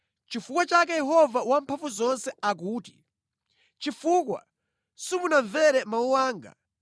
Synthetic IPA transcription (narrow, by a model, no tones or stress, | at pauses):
t͡ʃifukwat͡ʃak̬ɛjɛɦɔvawampʰavuzɔnsɛak̬uːti̥ | t͡ʃifukwa̰ | sumunaɱvɛɾɛmauwaːŋɡa̰